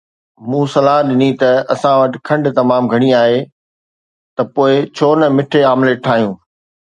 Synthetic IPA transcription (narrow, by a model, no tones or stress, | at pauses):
mũːsɐlaːɦɗɪnit̪ɐɐsãʋɐʈɪ̥̆kʰɐ̃ɳɖt̪ɐmaːmɡʱɐɽ̃iaːɦe | t̪ɐpoːɪt͡ɕʰoːnɐmɪʈʰeaːmleʈʰaːɦijũː